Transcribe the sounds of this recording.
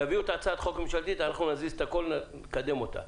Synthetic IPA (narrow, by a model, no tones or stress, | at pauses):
aviot̪at͡saːt̪χo̞kmemʃalt̪it̪anaχnunazise̥t̪ako̞lnnekad̪e̞mo̞t̪a̰